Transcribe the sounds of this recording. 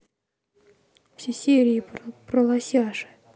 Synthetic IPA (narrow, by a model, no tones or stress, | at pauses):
fsʲesʲeɾʲɪːpɾəlˠasʲaʂɨ̥